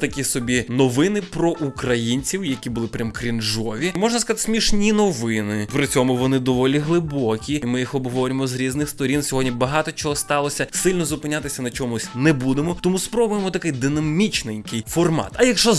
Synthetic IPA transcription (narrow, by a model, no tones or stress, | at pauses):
t̪ɐkʲisɔbʲinɔʋɪnɪpɾɔʔukɾɐjinʲt͡sʲiwjɐkʲibʊlˠɪpɾʲamkɾʲinʒɔʋʲimɔʒnɐskɐzt̪ɪsʲmʲiʃnʲinɔʋɪnɪpɾɪt͡sʲɔmʊʋɔnɪd̪ɔʋɔlʲiɦlˠɪbɔkʲiimɪjixɔbɦɔʋɔɾʲɪmɔzɾʲiznɪxst̪ɔɾʲinsʲɔɦɔdʲnʲibɐɦɑt̪ɔt͡ʃɔɦɔst̪ɑlˠɔsʲɐsɪlʲnɔzʊpɪnʲat̪ɪsʲɐnɐt͡ʃɔmʊsʲnɛbud̪emɔt̪ɔmuspɾɔbʊjemɔt̪ɐkɪjd̪ɪnɐmʲit͡ʃnejʲkɪjfɔrmɑ̰t̪ɐjɐkʃɔ